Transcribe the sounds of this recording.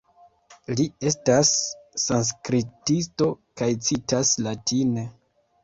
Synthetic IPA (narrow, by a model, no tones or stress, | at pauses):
lie̞stasːans̬kɾitisto̞kajt͡sitaslatʰine̞